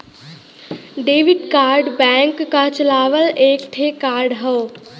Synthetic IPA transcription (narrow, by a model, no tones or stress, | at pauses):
ɖeːʋɪɖkaːɾɖbɛ̃ːŋkːat͡ʃəlaːʋəleːkt̪ʰekaːɾɖɦɐo